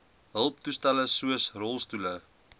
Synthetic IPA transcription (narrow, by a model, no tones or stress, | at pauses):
ɦəlˠptustæləsuəsrɔlˠstulə